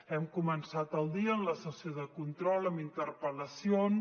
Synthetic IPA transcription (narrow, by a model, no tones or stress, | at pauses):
ɛmkumənsat̪əlˠd̪iəːnləsəsioðəkunt̪ɾɔlˠəmbint̪ərpələsion